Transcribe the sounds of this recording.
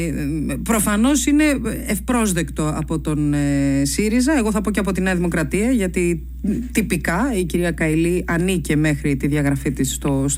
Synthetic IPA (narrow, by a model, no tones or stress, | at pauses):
pɾo̞fɐno̞sine̞efpɾo̞zðe̞kt̪o̞ɐpo̞t̪o̞nesiɾizɐe̞ɣo̞θɐpo̞ceɐpo̞t̪ineɐðimo̞kɾɐt̪iɐʝɐt̪i | t̪ipikɐiciɾiɐkɐiliʔɐnice̞me̞xɾit̪iðʝɐɣɾɐfit̪ist̪os